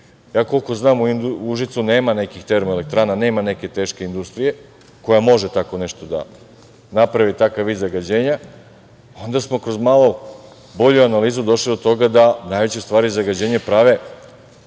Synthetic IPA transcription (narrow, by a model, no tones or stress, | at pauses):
jaːko̞lˠko̞znaːmuinuʒit̪sune̞ːmane̞kixt̪e̞ɾmoele̞k̚t̪ɾaːnane̞ːmane̞ke̞t̪e̞ːʃke̞ind̪ust̪ɾije̞ | ko̞jamo̞ʒet̪ako̞ne̞ʃt̪o̞d̪a̰ | napɾaʋit̪akaʋːiːd̪zaɡad͡ʑe̞ːɲa | o̞nd̪asmo̞kɾo̞zmalˠo | bo̞ʎuanaliːzud̪o̞ʃlid̪o̞t̪o̞ɡad̪anaːjʋe̞t͡ɕest̪ʋaːɾizaɡad͡ʑe̞ːɲepɾaʋe̞